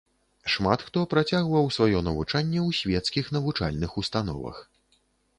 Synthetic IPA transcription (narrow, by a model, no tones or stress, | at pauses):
ʂmat̪xt̪ɔpɾat͡sʲaɣvɐwsvajɔnɐvut͡ʂanʲːɛwsʲvʲɛt̪skʲixn̪ɐvut͡ʂa̰lʲnɨxust̪anɔ̰vɐ̰x